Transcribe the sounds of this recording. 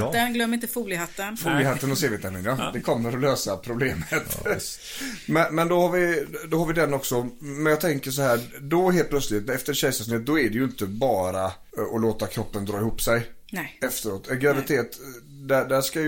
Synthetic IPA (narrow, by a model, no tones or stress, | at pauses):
d̪ɛnɡlœmːɾɪnt̪əfuːlɪhat̪ːənfuːlɪhat̪ːənɔseːvɪt̪amɪnad̪ɛkʰɔmːəɾɔløːsapʰɾʊbleːmət̪ | mɛnmɛnd̪ɔhaɾvɪd̪ɔɦaɾvɪd̪ɛnːɔksɔmɛnjɑːɡt̪ʰɛŋkəʂɔhæː | dɔɦeːlt̪̚pʰlœt̪slɪt̪nɛft̪əɕɛjsas̬neːt̪̚d̪ɔæɖɛjɵɪnt̪əbɑːɾa | ɔloːt̪akʰɾɔpːənd̪ɾɑːɪhuːpːsɛj | ɛft̪əɾoːt̪ɛɡɾavɪt̪ʰeːt̪ | d̪æd̪æʂkaj